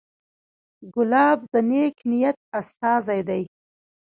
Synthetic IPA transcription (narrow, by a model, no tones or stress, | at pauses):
ɡʊlɑb̚d̪əneknijat̪̚ast̪ɑzajd̪aj